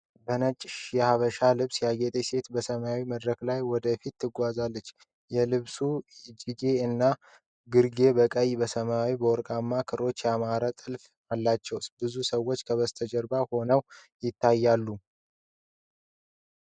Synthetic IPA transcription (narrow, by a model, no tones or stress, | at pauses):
bənət͡ʃʼɪʃjɛhaβəʃalɨβsjaɡet̪ʼese̞t̪bəsəmaawiməd̪ɾəklajwɔd̪əfit̪ʰːɨɡʷazalːət͡ʃː | jɛlɨβsud͡ʒiɡe̞ɨnːa | ɡɨɾɡe̞bəkʼəjbəsəmaawibəwɔɾkʼamːakʰɨɾo̞t͡ʃːjɛamaɾat̪ʼɨlf | alːat͡ʃːɛwsbɨzusəwːo̞t͡ʃːkʰəβəst̪ʰəd͡ʒəɾbaho̞nəw | jɪt̪ʰːajːalːu